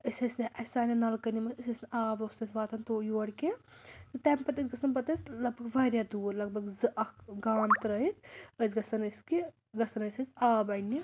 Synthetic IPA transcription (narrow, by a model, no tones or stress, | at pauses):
əsʲɐsniʔɐsaːnɐnɐlkɐnimɐsɨsɐsnaːbost̪ɐsʲʋaːt̪ʰɐnt̪oːjoːɽʲki | t̪ɨt̪ɛːmpɐt̪ɨsʲɡɐsɐnp̬ɐt̪ɨsʲlɐɡ̚bɐɡʋaɾʲjad̪uːɾlɐɡ̚bɐɡzɨʔɐkɡaːnt̪ɾɐit̪̚ʰəzɡɐsɐnɐski | ɡɐsɐnɐsʲɐsʲaːbɐjni